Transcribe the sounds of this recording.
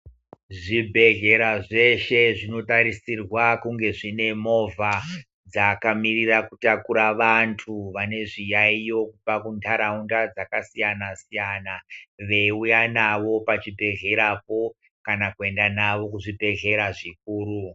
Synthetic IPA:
ʐibʱe̞ɣe̞ɾaʐe̞ʃe̞ʐino̞taɾisirwakuŋɡe̞ʐine̞mo̞va | d͡zakamirirakutakuɾaʋantʰuʋane̞ʐijaijo̞kupakuntʰaɾaundad͡zakasijanasijanaʋe̞ujanaʋo̞pat͡ʃibʱe̞ɣe̞ɾapo̞ | kanakue̞ndanaʋo̞kuʐibʱe̞ɣe̞ɾaʐik̚uːɾu

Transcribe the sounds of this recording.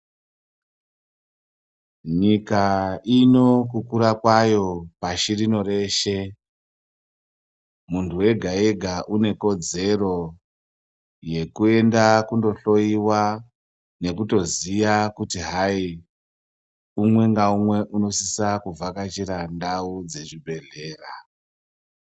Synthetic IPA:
ɲikaino̞kukuɾakwajo̞paʃirino̞ɾe̞ʃe̞ | muntʰuwe̞ɡʱae̞ɡʱaʔune̞ko̞d͡ze̞ro̞ | je̞kue̞ndakundo̞ɬo̞iwa | ne̞kuto̞ziʋakutiɦai | umwe̞ŋɡaumwe̞ʔuno̞sisakuvakat͡ʃiɾandaud͡ze̞ʐibʱe̞ɮe̞ːra

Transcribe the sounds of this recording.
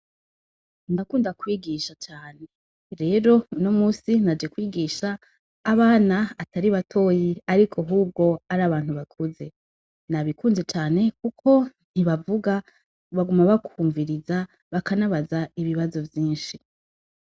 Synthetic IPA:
ndakuːndakwiːɡiːʃat͡ʃaːne̞ | ɾe̞ːɾo̞uno̞muːsinad͡ʒe̞kwiːɡiːʃaː | βaːnaataɾiβatʰo̞ːjiaɾikʰo̞ɦuːb̚ɡo̞aɾaːβaːn̥huβakʰuze̞ | naβikuːnze̞t͡ʃaːne̞kukʰo̞ | n̥iβavuɡa | βaɡumaβakuːɱviɾiza | βakanaβazaiβiβazo̞vjiːnʃi

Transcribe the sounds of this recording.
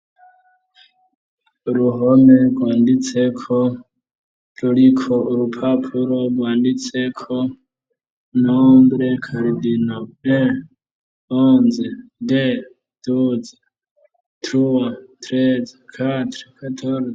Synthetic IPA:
uɾuɦomeɡwaːndit͡sʰekʰo | ɾuɾikʰoɾupʰapʰuɾoɡwaːndit͡sʰekʰo | nombɾekʰaɾidinoe | oːnzede | d̥ud͡ze̥ | tɾuwat̪ʰɾed͡zakʰatɾikʰatʰoɾ

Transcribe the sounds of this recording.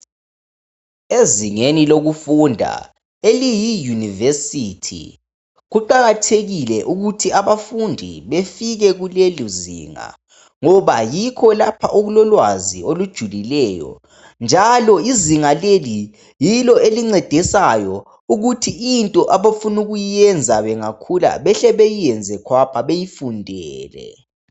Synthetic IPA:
eziŋeniloɣufundʱa̰ | elijijunivesitʰḭ | ɣuǃaɣatʰeɣilɛʔuɣutʰiaβafundʱḭβefiɣɛɣuleluzḭːŋa̰ | ŋɔβajikʰɔlapʰaʔoɣulɔlwaziolud̥ʒ̥ʱulilɛːjɔ̰ | nd͡ʒʱalɔiziŋaleli | jilɔeliŋ͡ǀɛd̥ʱɛsajɔ | uɣutʰiintʼɔʔaβafunuɣujijɛnd͡zʱaβɛŋakʰula̰βɛɬɛβejijɛnd͡zʱɛkʰwapʰaβejifundʱɛːlɛ̰

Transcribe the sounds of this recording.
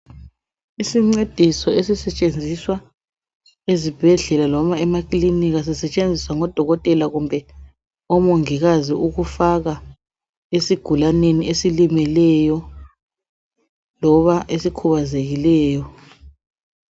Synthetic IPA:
isiŋ͡ǀed̥ʱisɔesisɛt͡ʃʼend͡zʱiswa | ezib̥ʱɛɮɛlalɔmaɛmakʼliniɣas̬isɛt͡ʃʼend͡zʱiswaŋɔd̥ʱɔɣɔtʼɛlaɣumbʱɛ | ɔmoŋiɣaziʔuɣufaɣa | esiɡ̥ʱulaneniesilimɛlɛjɔ | lɔβaʔesikʰuβazeɣilɛːjɔ

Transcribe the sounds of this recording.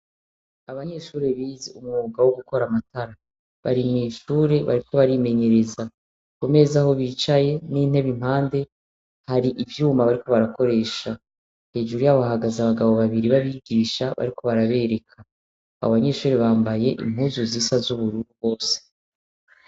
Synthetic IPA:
aβaɲe̞ʃuːɾe̞βiːzeumŋuɡawoɡuko̞ɾamataɾa | βa̰ɾimiːʃuːɾe̞βa̰ɾikʰo̞βaɾime̞ɲe̞ɾe̞za | kume̞zaho̞βiːt͡ʃaje̞niːn̥e̞βim̥haːnde̞ | haɾiʔivjuːmaβaɾiko̞βaɾako̞ɾe̞ːʃa | he̞ːʒuɾujaβahaɡazaβaɡaβo̞βaβiɾiβaβiɡiːʃaβa̰ɾiko̞βaɾaβeɾe̞kʰa | a̰oβaɲe̞ːʃuːɾe̞βaːmbaje̞ʔḭm̥huːzuzisazuβuɾuɾubɡo̞ːse̥

